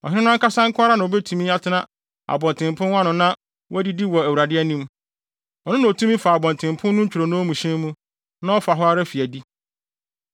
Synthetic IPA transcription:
ɔ˨ɪ̃˦nɪ̃˦nʊ̃˦ka˦sã˦ŋ̩˦kʰʊ̃˦a˦ɾa˦nã˨o˨bɛ˦tʰũ˨mĩ˦a˦tʰɪ˦nã˦ | a̰˨bɔ̃˨n˨tʰɪ̃˨mpʰʊ̃˦nwã˦nʊ̃˨nã˦ | wɔ˦æ˦di˦di˦wɔ˨æ˨wu˨ɾa˨dɪ˦ɛ˦nĩ˦m | ɔ˨nʊ̃˦nã˨tʰũ˦mĩ˦fa˨a˨bɔ̃˨ntʰɪ̃˨mpʰʊ̃˦nːʊ̃˦ɲ̩˦t͡ɕᶣu˨ɾo˨nʊ̃˦mũ˨ɕɛ̃˦mũ˦ | nã˦ɔ˦fa˨ɦɔ˦a˦ɾɛ˦fi˨æ˨di˦

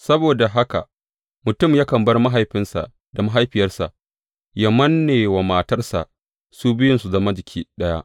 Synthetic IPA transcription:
sɐ˦boː˨da˨ɦa˦ka̰˨ | mʊ˨tʊ˦˨mjaː˦kɐ˨mbɐ˦rma˦ɦa˨jɸɪ˦nsa̰˨ | da˨ma˦ɦa˦jɸɪ˨jɐ˦rsa˨ʔ | jɐ˨mɐ˦nːeː˨wa˨maː˨tɐ˦rsa̰˨ʔ | su˦bɪ˦jɪ˦nsu˨zɐ˦ma˦d͡ʒɪ˨kʲʰiː˦ɗɐ˦ja̰˦ʔ

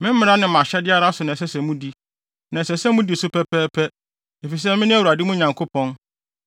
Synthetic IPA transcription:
mɪ̃˦m̩˦mɪ̃˦ɾa˦nɪ̃˨mã˨ɕɛ˦dɪ˦a˦ɾa˦sʊ˨nã˨s̬ɛ˦sɛ̃˨mũ˦di˦ | nã˨sɛ˨sɛ̃˦mũ˦di˨sʊ˦pʰɛ˦pʰɛː˦pʰɛ˦ | e˨fi˨s̬ɛ˦mɪ̃˦nɪ̃˦æ˦wu˨ɾa˨dɪ˦mũ˦ɲã˨ŋkʰo˦pʰɔ̃˦n

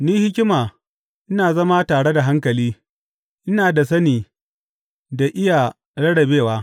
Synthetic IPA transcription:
niː˦hɪ˦kʲɪ˦maː˨ | ʔɪ˦naː˨zɐ˦ma˦taː˨ɽe˦da˨ɦa˦ŋkɐ˨liː˦ | ʔɪ˦naː˨da˨s̬ɐ˦niː˨ | da˨ʔɪ˦ja˨ | ɽɐ˦ɽɐ˨beː˦˨waː˦

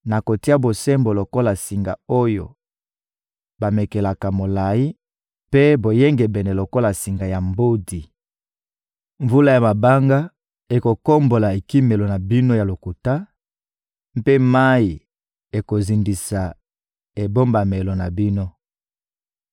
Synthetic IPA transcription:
na˨ko˨ti˦a˦bo˨sɛ˦mbo˨lo˨ko˦la˨si˨ŋɡa˨o˦jo̰˨ | ba˨me˨ke˨la˨ka˨mo˨la˨ji˦ | pe˦bo˨je˦ŋɡɛ˨bɛ˨nɛ˨lo˨ko˦la˨si˨ŋɡa˨ja˨mbo˦di˨ | ɱvu˦la˦ja˨ma˨ba˦ŋɡa˦ | e˨ko˨ko˦mbo˨la˨e˨ki˦me˨lo˨na˨bi˦no˦ja˨lo˨ku˨ta˦ | m˦pe˦ma˦i˨ | e˨ko˨zi˨ndi˨sa˨ | e˨bo˦mba˨me˨lo˨na˨bi˦no˦

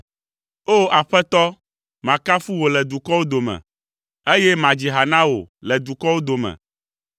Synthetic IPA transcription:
o˦a˨ɸɛ˦t̪ɔ˦ | mã˨ka˦fu˦wo˨lɛ˨d̪u˨kɔ˦wo˦d̪o˨mɛ̰̃˨ | e˦jɛ˦mã˨d͡ʑi˨ɦa˨nã˦wo̰˨lɛ˨d̪u˨kɔ˦wo˦d̪o˨mɛ̰̃˨

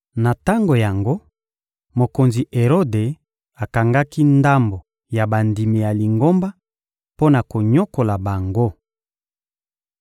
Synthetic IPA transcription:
na˨ta˦ŋɡo˨ja˨ŋɡo˦ | mo˨ko˨nzi˨ʔe˨ʁo˦de˨ | a˨ka˨ŋɡa˦ki˦nda˦mbo˨ | ja˨ba˨ndi˨mi˨ja˨li˨ŋɡo˦mba˦ | po˦na˨ko˨ɲo˦ko˨la˨ba˨ŋɡo˦

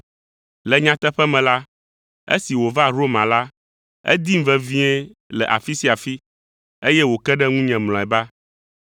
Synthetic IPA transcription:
lɛ˨ɲã˨t̪ɛ˦ɸɛ˦mɛ̃˨la˦ | ḛ˦si˨wo˨va˦ɾo˦mã˨la˦ | ḛ˦d̪i˦m̩˦vɛ˦vĩ˦ɛ˦lɛ˨ʔa˨fi˦si˦a˨fi˦ | e˦jɛ˦wo˨kɛ˦ɖɛ˦ŋũ˦ɲɛ̃˨ml̃ɔ̃˨ɛ˨ba˦

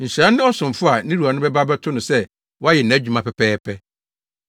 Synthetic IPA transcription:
n̩˨sã˦nːɪ̃˦ɔ˦sʊ̃˨m˨fʊ˦a˨nĩ˦ɾu˨a˨nʊ̃˦bɛ˦ba˦bɛ˦tʰʊ˦nʊ̃˨sɛ˦ | wɔ˦a˦jɛ˨næ̃˨˦˨d͡ʑᶣu˨mã˦pʰɛ˨pʰɛː˦pʰɛ˦

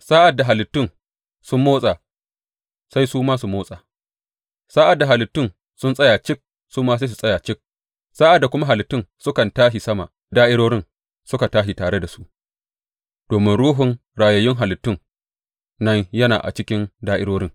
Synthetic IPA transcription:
saː˦ʔa˨dːa˨ɦa˨lɪ˨tːʊ˦n | sʊ˦mːoː˦sʼaː˨ | sa˦jsuː˦maː˦su˨moː˦sʼaː˨ | saː˦ʔa˨dːa˨ɦa˨lɪ˨tːʊ˦˨n | sʊ˦nsʼɐ˦jaː˨t͡ʃɪ˦k̚ | suː˦maː˦s̬a˦s̬u˨sʼɐ˦jaː˨t͡ʃɪ˦k̚ | saː˦ʔa˨dːa˨kʷʊ˦ma˦ɦa˨lɪ˨tːʊ˦nsʊ˦kɐ˨ntaː˦ʃi˨sɐ˦ma̰˨ | daː˦ʔɪ˦ɽoː˦ɽɪ˦n | sʊ˦ka˨taː˦ʃ̬i˨taː˨ɽe˦da˨su˦ʔ | d̥oː˨mɪ˦nɽuː˦ɦʊ˨ŋɽaː˨jɐ˨jɪ˦ŋɦa˨lɪ˨tːʊ˦n | nɐ˦ɲjɐ˦na̰ː˨ʔa̰˨t͡ʃɪ˦kʲɪ˦ndaː˦ʔɪ̰˦ɽoː˦ɽɪ˦ŋ

